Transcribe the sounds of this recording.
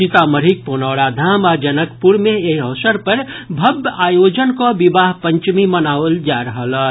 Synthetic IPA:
it̪aməɾik̚poːnaːɽad̪ʱaːmad͡ʒɐnəkpuɾmẽeɐːsəɾpəɾbʱɐbaːjoːd͡ʒənkoʋɪbaːɦpə̃ɲt͡ʃmimənaːʋəld͡ʒaːɾəɦəl

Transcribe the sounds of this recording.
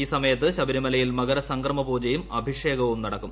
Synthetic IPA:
iːsɐmɐjɐt̪ːɨɕɐbɐɾimɐlɐjilmɐɡɐɾɐsɐŋɡrɐmɐbuːd͡ʑɐjumɐbʱiʂe̞ːɡɐʋumnɐɽɐkːum

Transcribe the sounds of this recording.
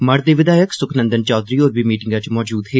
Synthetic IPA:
məɽd̪eːʋɪd̪aːjəksʊkʰnə̃nd̪ənt͡ʃɔːd̪ɾiːoːɾbiːmiːʈɪŋɡãːt͡ʃmɔːd͡ʒuːd̪ɦeː

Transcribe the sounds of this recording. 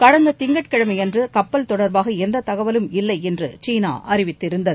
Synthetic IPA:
kɐɽɐnd̪ɐt̪ɪŋɡɐʈ̚kɪɻɐmɐɪɛndrɯkɐpːɐlt̪ɔɽɐɾbaːɣɐɛnd̪ɐt̪ɐɣɐʋɐlɯmɪlːɐɪɛndrɯt͡ʃiːna̰ːʔɐɾɪʋɪt̪ːɪɾɯnd̪ɐðɯ

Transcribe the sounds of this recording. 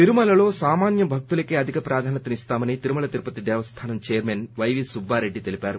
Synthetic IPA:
t̪iɾumɐlɐlo̞ːsaːmaːnjɐbʱɐk̚t̪ulɐkeːɐd̪ʱikɐpɾaːd̪ʱaːnɐt̪ːɐnist̪aːmɐnit̪iɾumɐɭɐt̪iɾpɐt̪id̪ɛːʋɐst̪ʰaːnɐmt͡ʃejɐɾmeːnʋɐjʋisubːaːɾe̞ɖːit̪elipʲaːɾu

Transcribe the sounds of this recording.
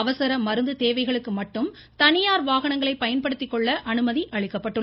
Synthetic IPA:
ɐʋɐsɐɾɐmɐɾɯnd̪ɯt̪eːʋɐɪɣɐɭɯkːɯmɐʈːɯm | t̪ɐnɪjaːɾʋaːɣɐɳɐŋɡɐɭɐɪpːɐjɐnpɐɽɯt̪ːɪkːɔɭːɐʔɐnɯmɐðiʔɐɭɪkːɐpːɐʈːɯ

